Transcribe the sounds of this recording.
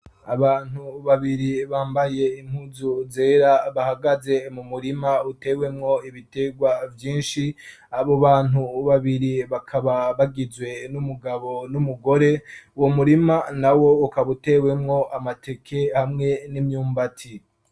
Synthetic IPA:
a̰βaːn̥uβaβiɾiβaːmbaje̞im̥huzuze̞ːɾaβahaɡaze̞mumuɾimaute̞we̞mŋo̞iβite̞ɡwavjiːnʃi | aβo̞βaːn̥huβaβiɾiβakʰaβaβaɡizwe̞numuɡaβo̞numuɡo̞ɾe̞uwomuɾimanawo̞ukaβute̞we̞mŋo̞ʔamatʰe̞kʰe̞hamŋe̞nimɲuːmbatʰi

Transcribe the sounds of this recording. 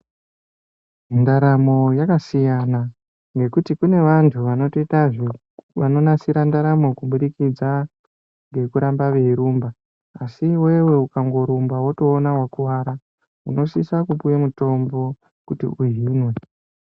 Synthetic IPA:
ndaɾamo̞jakasijana | ŋɡe̞kutikune̞ʋantʰuʋano̞toitaʐe | ʋano̞nasiɾandaɾamo̞kuɓuɗikid͡za | ŋɡe̞kuɾambaʋe̞iɾumbaː | siwe̞we̞ukaŋɡo̞ɾumbawoto̞ːnawakuʋaɾa | ṵno̞sisakupujemuto̞mbo̞ | kutḭʔuɦinwe̞

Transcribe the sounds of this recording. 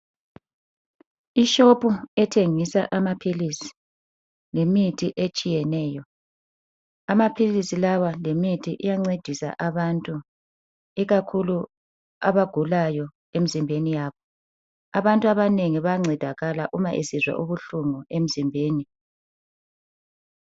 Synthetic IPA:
iʃopʰʼuɛtʰeŋisa̰ʔamapʰilisi̥ | lemitʰʼiʔet͡ʃʼijɛnɛːjɔ | amapʰilisilawalemitʰiʔijaŋ͡ǀed̥ʱisa̰ʔaβantʼu | iɣakʰulu | a̰βaɡ̥ʱulajɔ | em̩izimbʱenijaβɔ | aβantʼuaβaneŋiβaŋ͡ǀʱɛd̥ʱaɣalaʔumaʔesizwa̰ʔuβuɬuŋuem̩zimbʱeːni

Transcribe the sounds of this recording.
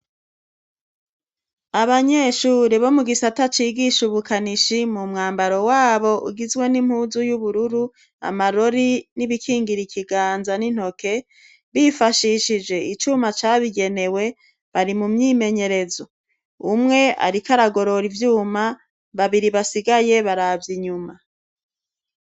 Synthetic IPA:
aβaɲe̞ːʃuːɾiβo̞muɡisatat͡ʃiːɡiʃuβukʰaniʃimumŋaːmbaɾo̞waːβo̞ʔṵɡizwe̞nim̥huːzujuβuɾuɾu | a̰maɾo̞ɾiniβikʰiːŋɡiɾikʰiɡaːnzanin̥ho̞kʰe̞ | βifaʃiʃid͡ʒe̞it͡ʃuːmat͡ʃaːβiɡe̞ne̞we̞ | βaɾimumɲime̞ɲe̞ɾe̞zo̞ | umŋe̞a̰ɾikaɾaɡo̞ɾo̞ɾivjuːma | βaβiɾiβasiɡaje̞βaɾavjiɲuma

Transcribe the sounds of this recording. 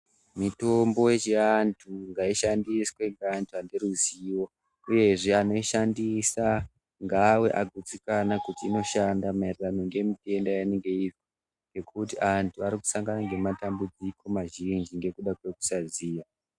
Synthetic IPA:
mito̞mbo̞jet͡ʃeantʰuŋɡaiʃandiswe̞ŋɡaːntʰuandeɾuziwo̞ | uje̞ʐeano̞iʃandisa | ŋɡawe̞ʔaɡʱut͡sikanakutiːno̞ʃandamairrano̞ŋɡe̞mite̞ndajaneŋɡeiʐo | ŋɡe̞kʰutiantuaɾiku̥saŋɡanaŋɡe̞matambud͡ziko̞maʒind͡ʒiŋɡe̞kuɗakwe̞ku̥saziːja

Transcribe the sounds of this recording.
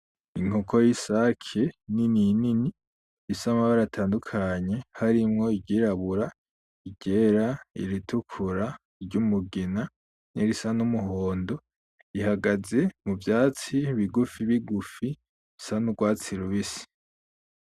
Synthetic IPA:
iŋ̥okʰojisakʰenininini | isamaβaɾatʰaːndukʰaɲe̞haɾimŋo̞iɟiɾaβuɾa | iɟ̥eːɾaḭɾitʰukʰuɾa | ɾɟumuɡina | niɾisanumuɦo̞ːndo̞ | ihaɡaze̞muvjaːt͡siβiɡufiβiɡufi | sanuɡwaːt͡siɾuβisi̥

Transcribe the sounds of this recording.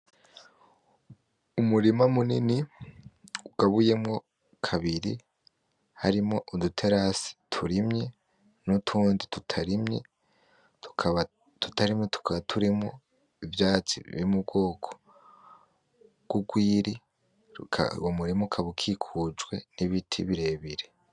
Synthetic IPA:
umuɾimamunini | uɡ̥aβuje̞mŋo̞ | kʰaβiɾi | haɾimŋo̞ʔudutʰeɾasi̥tʰuɾimɲe | nutʰuːnditutʰaɾimɲḛ | tu̥kʰaβa | tu̥taɾimɲetu̥kaβatʰuɾimŋo | ivjaːt͡sḭβḭimub̚ɡo̞ːkʰo̥ | ɡ̥uɡwiːɾi | kʰa̰womuɾimukʰaβukʰikʰud͡ʒɡwe̞niβitʰḭβiɾe̞ːβiɾe

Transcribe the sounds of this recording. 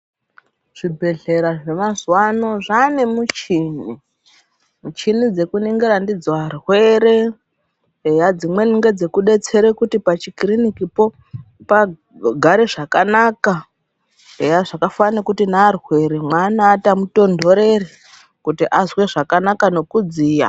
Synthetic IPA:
ʐ̥ibʱe̞ɮe̞ɾaʐe̞mazwano̞ʐanemut͡ʃini | mut͡ʃinid͡ze̞kuniŋɡeɾandid͡zwarwe̞ɾe̞ | ejad͡zimwe̞niŋɡe̞d͡ze̞kuɗe̞t͡se̞ɾekutipat͡ʃikrinikipo̞ | pa | ɡʱaɾeʐakanaka | ejaʐakafanakutinaːrwe̞ɾemwanaːtamuto̞ndʱo̞ɾe̞re | kutiʔazwe̞ʐakanakano̞kud͡ziːja̰

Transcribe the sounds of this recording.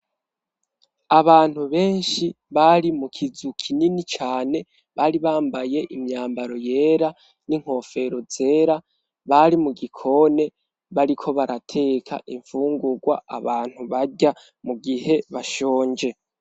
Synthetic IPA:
aβaːn̥huβe̞ːnʃi | βaɾimukʰizukʰininit͡ʃaːne̞ | βaːɾiβaːmbaje̞ʔimɲaːmbaɾo̞je̞ːɾa | niŋ̥ho̞ːfe̞ɾo̞ze̞ːɾa | βaɾimuɡikʰo̞ːne̞ | βaɾikʰo̞βaɾatʰe̞kʰa̰ʔiɱfuːŋɡuɡwa̰a̰βaːn̥huβaɟa | muɡiɦe̞βaʃo̞ːɲd͡ʒe̞

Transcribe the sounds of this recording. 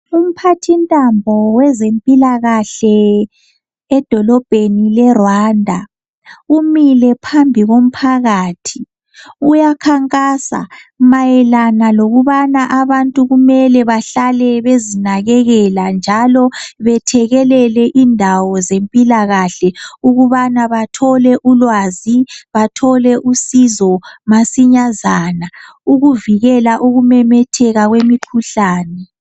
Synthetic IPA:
um̩pʰatʰintʼambʱɔwɛzempʼilaɣaɬɛ | ɛd̥ʱɔlɔb̥ʱenilɛrwandʱa | umilɛpʰambʱiɣom̩pʰaɣaːtʰi | ujakʰaŋkʼaːsa̰majɛlanaloɣuβanaʔaβantʼuɣumɛlɛβaɬalɛβezinaɣɛɣɛland͡ʒʱalɔβɛtʰɛɣɛlɛlɛʔindʱawɔzempʼilaɣaɬɛuɣuβanaβatʰɔlɛʔulwaːziβatʰɔlɛʔusizɔmasiɲazana | uɣuviɣɛlaʔuɣumɛmɛtʰɛɣaɣwemikʰuɬaːnɛ

